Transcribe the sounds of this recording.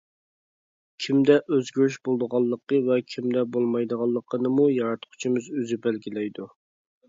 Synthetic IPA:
kʲʰimd̪ɛʔøzɡʲyɾyʃbolˠd̪əʁɑlˠːəqəvɛkʲʰimd̪ɛbolˠmɑjd̪əʁɑlˠːəqʰːənɨmujɑɾɑt̪qʰʊ̥t͡ʃʰimɨzøzybælɡʲilɛjd̪u

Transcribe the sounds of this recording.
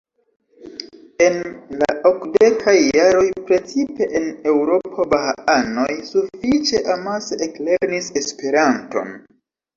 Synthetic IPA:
e̞nla̰ʔo̞kde̞kʰajːaɾo̞jpɾe̞t͡sipe̞ʔene̞wɾo̞pʰo̞bahaano̞jsufit͡ʃe̞ʔamaseʔekle̞ɾnise̞spe̞ɾanto̞̰n

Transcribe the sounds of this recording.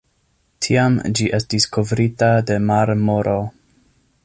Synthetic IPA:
tʰiamd͡ʒiʔe̞stiskʰo̞vɾitade̞maɾmoɾʔo

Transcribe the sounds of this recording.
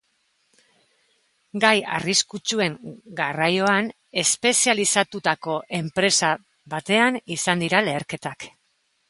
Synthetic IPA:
ɡaja̰riskut͡ʃue̞ŋɡarajo̞an | e̞spe̞sialisat̪ut̪ako̞ʔe̞mpɾe̞sa | βat̪e̞anisand̪iɾale̞ːɾke̞t̪ak

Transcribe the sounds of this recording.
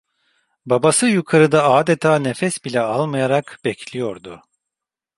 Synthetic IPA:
babasɯjukʰaɾɯd̪aaːd̪et̪ʰaːnefɛsbilʲɛalˠmajaɾakbɛcʰlʲijo̞ɾd̪ʊ

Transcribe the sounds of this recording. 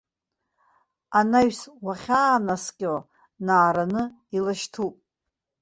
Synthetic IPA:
anaɥswaχʲaːnaskʲʼo | naːɾanɨ | ilaʃtʰupʼ

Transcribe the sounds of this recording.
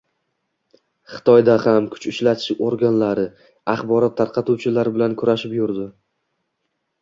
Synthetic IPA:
χɨ̥t̪ʰɒjd̪ahamkʰʊ̥t͡ʃʊt͡ʃlat̪ʰɪ̥ʃoɾɡʲanlaɾɪ | ɑχbɒɾɒt̪ʰːaɾqʰɑt̪uwt͡ʃʰɪlaɾɪbɪlankʰʊɾaʃɪpjʊɾd̪ɪ

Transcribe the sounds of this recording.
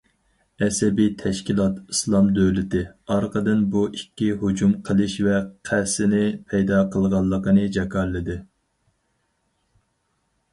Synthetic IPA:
ɛsɛbit̪ʰɛʃkʲilˠɑt̪islˠɑmd̪øwlɪt̪ɪɑɾqəd̪ɨnbuikʲːihod͡ʒumqʰəlˠɨʃvɛqʰæsɪnɪpʰɛjd̪ɑqʰəlˠʁɑlˠːəqənɨd͡ʒɛkʰɑɾlːɨd̪ɪ

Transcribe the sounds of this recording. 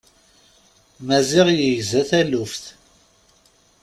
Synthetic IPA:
mæzɪʁjəjzæθælufθ

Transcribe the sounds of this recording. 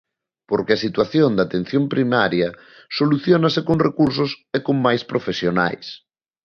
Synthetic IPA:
poɾkeasit̪waθjond̪at̪ẽn̟θjõmpɾimaɾjɐ | soluθjonasekoŋrekuɾs̬osekoŋmajspɾofesjona̰js

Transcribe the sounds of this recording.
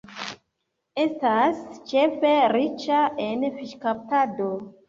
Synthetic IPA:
e̞stast͡ʃe̞feɾit͡ʃaʔenfiʃkap̚tado

